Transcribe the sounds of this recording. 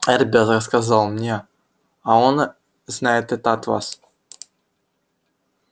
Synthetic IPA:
ɛrʲbʲezəskazɑlˠmnʲe | aon | znajet̪ɛt̪at̪va̰s

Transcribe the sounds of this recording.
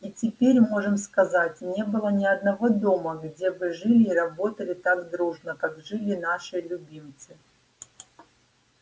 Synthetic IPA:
itʲɪpʲeɾʲmo̞ʐɨmskɐzatʲnʲe̞bɨlˠənʲɪɐd̪̚nɐvo̞d̪o̞məɡdʲebɨʐɨlʲɪːɾɐbo̞t̪əlʲɪt̪aɡd̪ɾuʐnəkaɡʐɨlʲɪnaʂɨlʲʊbʲimt̪sɨ

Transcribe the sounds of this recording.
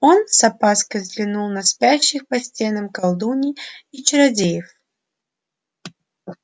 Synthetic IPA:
onsɐpaskəzʲd̪lʲɪnulˠnɐspʲaɕːɪxpɐsʲt͡sʲenɐmkɐlˠd̪unʲiit͡ʃɪɾɐdʲejɪf

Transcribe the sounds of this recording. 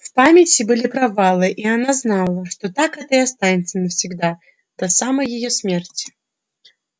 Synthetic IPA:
fpamʲɪt͡sʲibɨlʲipɾavalˠɨʔianaznalˠəʂt̪ɔt̪akɛt̪əiast̪anʲɪt̪sːənəfsʲiɡd̪a | d̪̥ɐsamɐjɪjɔsʲmʲert͡sʲi̥

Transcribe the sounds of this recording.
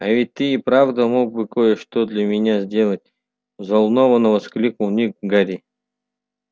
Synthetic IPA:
avʲɪt̚ʲt̪ːɨːpɾavd̪əmoɡ̚bɨkojəʂt̪od̪lʲɐmʲɪnʲazʲdʲe̞lˠət̚ʲ | zɐlˠnovənəvɐsklʲik̪lˠnʲik̚ɡaɾʲi

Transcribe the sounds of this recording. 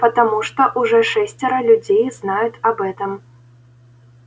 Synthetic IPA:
pɐt̪amuʂt̪ɔʔuʐɔʂɛsʲt͡sʲɐɾɐlʲud͡zʲejznajut̪ʲɐbɛt̪ɐm

